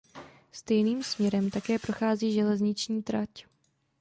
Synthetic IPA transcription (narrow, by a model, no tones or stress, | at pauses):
st̪ɛjniːmsmɲɛɾɛmt̪akɛːpɾo̞xaːziːʒɛlɛzɲɪt͡ʃɲiːt̪ɾac